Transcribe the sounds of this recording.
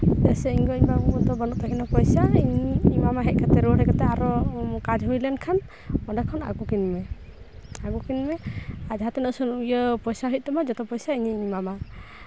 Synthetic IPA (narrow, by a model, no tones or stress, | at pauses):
t̪ɛsɛiɲɡɔiɲbaut̪ɔbɔnuʔ̚t̪ʰakɛnɔpɔjsaiɲiimamaɦɛʔ̚kʰat̪ɛɾuɾɛkat̪ɛaɾɔkad͡ʒɦujlɛnkʰan | ɔdakʰɔna̰ɡukinmɛ | aɡukinmɛad͡ʒɦat̪ɛnəʔsɔnujəpɔjsaɦit̪̚ˀt̪ɔmad͡ʒɔt̪ɔpɔjsaiɲiimama